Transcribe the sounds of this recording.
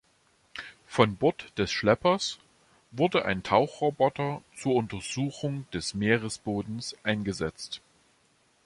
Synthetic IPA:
fɔnbɔtd̥ɛsʃlɛpɐs | vʊɐdəʔa̰ɪntʰaʊxʁ̥obɔtɐt͡suːɐʊntɐzuːxʊŋd̥ɛsmeːʁəsb̥oːdn̩sʔaɪnɡəzɛt͡st

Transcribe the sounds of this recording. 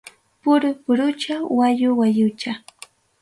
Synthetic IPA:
pʊɾʊpʊɾʊt͡ʃawajʊwajʊt͡ʃa

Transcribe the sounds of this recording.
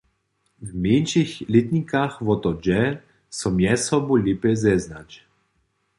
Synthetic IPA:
wmeːnʃixlit̪nikaxʋɔt̪ɔd͡ʒɛ | sɔmjɛsɔbolʲipɛzɛznat͡ʃ

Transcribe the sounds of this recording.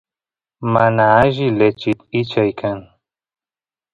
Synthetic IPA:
manaaʒilet͡ʃit̪it͡ʃʰajkʰan

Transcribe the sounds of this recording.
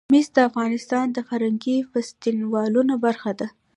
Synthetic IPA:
misd̪əafɣɑnɪst̪ɑnd̪əxaɾaŋɡifast̪inwɑlunobaɾxad̪a

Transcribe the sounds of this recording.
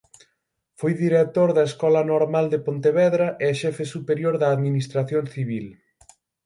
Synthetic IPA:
fojðiɾek̚t̪oɾðɐeskɔlɐnoɾmald̪epont̪eβɛðɾɐʔeʃɛfesupeɾjoɾðɐːðminist̪ɾaθjonθiβil

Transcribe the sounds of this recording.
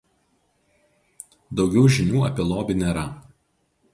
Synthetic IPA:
d̪ɒʊɡʲɛʊʒʲɪnʲuːɐpʲɪlˠoːbʲɪnʲeːɾɐ

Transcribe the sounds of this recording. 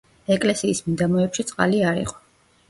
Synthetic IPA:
ɛkʼlɛsiːsmid̪amɔɛpʃit̪sʼqʼa̰liaɾḭqʼɔ̥

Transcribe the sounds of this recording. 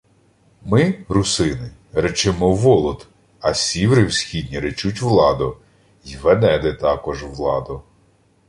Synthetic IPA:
mɪɾʊsɪnɪɾet͡ʃɪmɔʋɔlˠɔt̪ | ɐsʲiwɾɪwsʲxʲid̪ʲnʲiɾet͡ʃutʲʋlˠɑd̪ʊ | iʋɛnɛd̪ɪt̪ɑkɔʒʋlˠɑ̰d̪ʊ

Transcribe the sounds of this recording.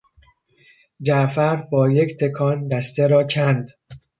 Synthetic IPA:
d͡ʒæʔfæɾbɒːject̪ʰe̞kʰɒːnd̪æst̪ʰeɾɒːcʰænd̪

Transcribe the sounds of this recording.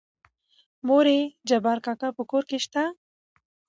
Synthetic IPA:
moɾed͡ʒabɑɾkakapəkoɾkeʃt̪a

